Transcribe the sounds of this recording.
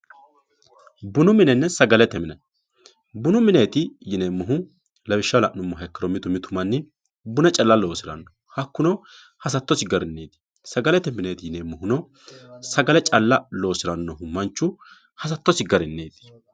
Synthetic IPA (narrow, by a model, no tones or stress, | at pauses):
bʊnʊmɪnɛnːɛsɐɡɐlɛt̪ːɛmɪnɐ | bʊnʊmɪneːt̪ɪjɪneːmːʊɦʊ | lɐbɪʃːɐlɐʔnʊmːɔɦɐkːɐɾɔmɪt̪ʊmɪt̪ʊmɐnːɪ | bʊnɛt͡ʃʼɐlːɐlo̞ːsɪɾɐ̰nːɔ | hɐkːʊnɔ | hɐs̬ɐt̪ːɔsɪɡɐɾɪnːeːd̪ɪ̥ | sɐɡɐlɛt̪ɛmɪneːt̪ɪjɪnemːɔhʊnɔ | sɐɡɐlɛt͡ʃʼɐlːɐlo̞ːsɪɾɐnːɔhʊmɐnt͡ʃːʊ | hɐs̬ɐt̪ːɔsɪɡɐɾɪnːeːd̪ɪ̥